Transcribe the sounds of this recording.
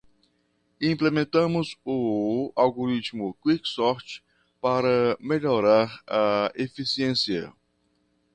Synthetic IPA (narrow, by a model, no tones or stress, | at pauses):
ĩplemẽnt̪ɐ̃mʊzʊawɡoɾit͡ʃ̪mʊkwiksɔɾt͡ʃ | paɾɐmeʎoɾaɾɐefisiẽsiɐ̰